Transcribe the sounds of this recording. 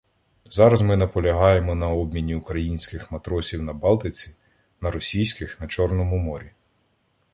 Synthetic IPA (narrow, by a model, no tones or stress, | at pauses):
zɑɾɐzmɪnɐpɔlʲɐɦɑjemɔnɐɔbmʲinʲiʊkɾɐjinʲsʲkɪxmɐt̪ɾɔsʲiwnɐbɑlˠt̪ɪt͡sʲi | nɐɾɔsʲijsʲkɪxnɐt͡ʃɔrnɔmʊmɔɾʲi